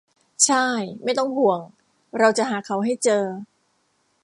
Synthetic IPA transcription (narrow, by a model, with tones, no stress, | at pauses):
t͡ɕʰa˥˩jma˥˩jt̪ɔ˥˩ŋhu˨˩˦əŋ | ɾa˧wt͡ɕa˨˩ɦaː˩˦kʰa˩˦wɦa˥˩jt͡ɕɤː˧